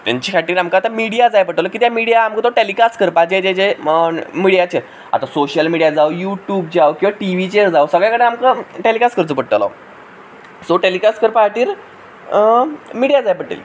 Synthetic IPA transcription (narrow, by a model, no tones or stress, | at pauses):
t̪ja̰ɲt͡ɕikʰaʈiːɾamkaːt̪amiɽijad͡zajpəɽʈəlɔkiːt̪jamiɽijaːmkət̪oʈelikaskəɾpad͡ʑed͡ʑet͡ɕe | miɽijat͡ɕe | a̰t̪asoɕəlmiɽijad͡zawjuʈjuːbd͡ʑawkĩw̃ʋaʈiʋit͡ɕeɾd͡zawsəɡɭjakəɽeamkəʈelikaskəɾt͡səpəɽʈ̪lɔ̰ | soʈelikaskəɾpaaʈiːɾ | miɽijad͡zajpəʈḛl